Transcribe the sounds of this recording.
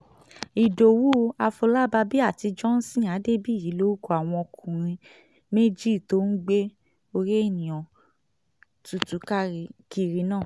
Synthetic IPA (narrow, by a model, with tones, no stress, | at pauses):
i˨do˨wu˦a˧fo˧la˦ba˧bi˦a˦˨ti˧d͡ʒɔ˦n̩˦sĩ˦˨a˨˦de˦bi˦˨ji˨˦lo˦u˦ko˧˦a˨w̃ɔ̃˧o˧kũ˨ɾ̃ĩ˧ | me˦d͡ʒi˦˨to˦n̩˦ɡ͡be˦ | o˧ɾe˦e˦˨nĩ˨ɔ̃˨ | tu˨tu˨˦ka˦i˧ki˦˨ɾi˧nãː˦˨